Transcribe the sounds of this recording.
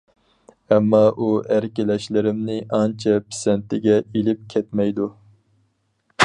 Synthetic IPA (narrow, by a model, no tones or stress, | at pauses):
ɛmːɑʔuæɾkʲɪlɛʃlɪɾɪmnɪʔɑnt͡ʃʰɛpʰɪ̥sɛnt̪ʰɪɡʲɛilɪp̚kʲʰɛt̪mɛjd̪u